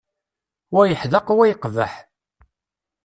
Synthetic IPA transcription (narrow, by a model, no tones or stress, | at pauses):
wæjəħðəqwæjəqːvə̰ħ